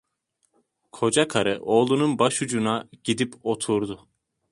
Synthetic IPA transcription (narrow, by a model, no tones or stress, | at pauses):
kʰo̞d͡ʒakʰaɾɯʔo̞ːlˠununbaʃud͡ʒunaɟ̥id̪ipo̞t̪ʰuɾd̪ʊ